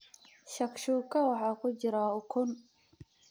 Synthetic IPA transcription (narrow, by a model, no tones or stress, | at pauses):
ʃɐkʃuːkʰɐwɑħɑːkʰʊt͡ʃɪɾaʊkʰʊn